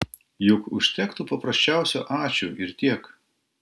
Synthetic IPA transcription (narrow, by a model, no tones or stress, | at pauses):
jʊkʊʃʲt̪ʲɛkt̪upɐpɾɐsʲt͡ʃʲæˑʊsʲuːʔɑːt͡ʃʲuːʔɪɾt̪ʲiɛk